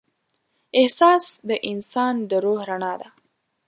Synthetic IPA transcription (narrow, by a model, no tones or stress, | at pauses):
ɪhsɑsd̪əʔɪnsɑnd̪əɾohɾaɳɑd̪a